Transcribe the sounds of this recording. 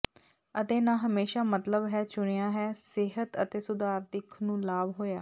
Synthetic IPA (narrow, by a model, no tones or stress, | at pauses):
ət̪eːnãːɦəmeːʃaːmət̪ləbɦɛːt͡ʃʊɳijãːɦɛːsɪɦət̪ət̪eːsʊd̪aːɾd̪ɪkʰnũːlaːbɦoːjaː